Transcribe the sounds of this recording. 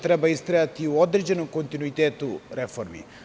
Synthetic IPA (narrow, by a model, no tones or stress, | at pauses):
t̪ɐɾɐbɐjist̪ɾeɐt̪ioːd̪ɾd͡ʒɐnukont̪inuit̪eːt̪uɾefʰoɾʋḭ